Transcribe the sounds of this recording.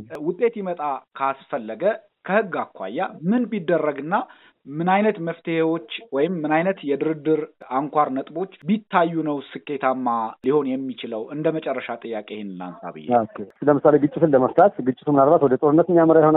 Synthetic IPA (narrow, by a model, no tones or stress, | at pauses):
wʊt̪ʼːe̞t̪jɛmət̪ʼakʰasfəlːəɡə | kʰəhɨɡːakʰʷːa̰jːamɨnbid̪ːərːəɡɨnːa | mɨnajnət̪məft̪ʰehewo̞t͡ʃːwɔjɪmːɨnajnət̪jɛd̪ɨɾɨd̪ːɨɾaŋkʷʰaɾnət̪ʼbo̞t͡ʃːbit̪ʰːajːunəwsɨkːe̞t̪ʰamːaliho̞njɛmːit͡ʃɪləwɨnd̪əmət͡ʃʼɛrːəʃat̪ʼɨjːakʼehnɨla̰nsa̰βɨ̰jːɛ̰okʰːesɨləmɨsale̞ɡɨt͡ʃʼːɪt̪ʰɨnləməft̪ʰat̪ɡɨt͡ʃʼːɪt̪ʰumɨnalbat̪wɔd̪ət̪ʼoɾɨnːət̪ɨnːjaməɾajɪhona